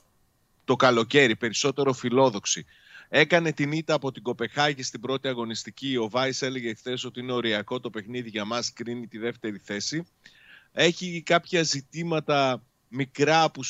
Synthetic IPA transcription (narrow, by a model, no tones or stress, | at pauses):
t̪o̞kɐlo̞ce̞ɾipe̞ɾiso̞t̪e̞ɾo̞filo̞ðo̞ksi | e̞kɐne̞t̪init̪ɐːpo̞t̪iɡo̞pe̞xɐʝist̪ibɾo̞t̪iɐɣo̞nist̪icio̞vɐise̞le̞ʝeːkθe̞so̞t̪iine̞o̞ɾiɐko̞t̪o̞pe̞xniðiʝɐmɐskɾinit̪iðe̞ft̪e̞ɾiθe̞si | e̞çikɐpçɐzit̪imɐt̪ɐ | mikɾɐpu